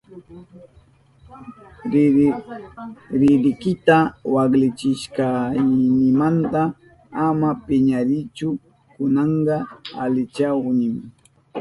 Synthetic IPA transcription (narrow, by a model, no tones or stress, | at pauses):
ɾɪɾɪkɪt̪awaklɪt͡ʃɪʃkajnɪmant̪a | amapɪɲaɾɪt͡ʃʊ | kʊnɑɴɢɑa̰lɪt͡ʃawnɪm